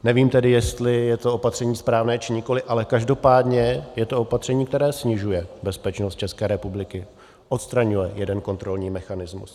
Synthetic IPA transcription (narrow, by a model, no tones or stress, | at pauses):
nɛviːmt̪ɛdɪjɛst̪lɪjɛt̪o̞opat̪r̥ɛɲiːspɾaːvnɛːt͡ʃɪɲɪko̞lɪʔalɛkaʒdo̞paːdɲɛjɛt̪oopat̪r̥ɛɲiːkt̪ɛɾɛːsɲɪʒujɛbɛspɛt͡ʃnost̪̚t͡ʃɛskɛːɾɛpublɪkɪ | ʔo̞t̪st̪ɾaɲujɛjɛdɛnko̞nt̪ɾo̞lɲiːmɛxanɪzmṵs